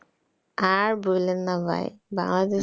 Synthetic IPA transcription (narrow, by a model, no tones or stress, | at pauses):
aɹbulenːabʱa̰jba̰ŋlad̪e